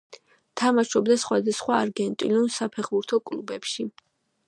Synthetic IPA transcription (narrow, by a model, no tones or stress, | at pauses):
t̪ʰamaʃɔbd̪asχwad̪asχwaːɾɡɛnt̪ʼilunsapʰɛχbuɾt̪ʰɔkʼlubɛpʃi